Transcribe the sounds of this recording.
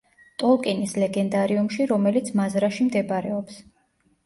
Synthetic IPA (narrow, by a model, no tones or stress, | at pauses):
t̪ʼɔlˠkʼɛnislɛɡɛnd̪aɾiumʃiɾɔmɛlit̪sʰmazɾaʃimd̪ɛbɾɛɔps